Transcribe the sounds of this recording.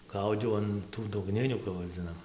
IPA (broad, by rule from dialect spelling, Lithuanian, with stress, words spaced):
ˈɡɐʊdʲɛʊ ɐn ˈtuː dʊɡˈnʲɪnʲuː kɐp ʋɐˈd͡zʲɪnɐm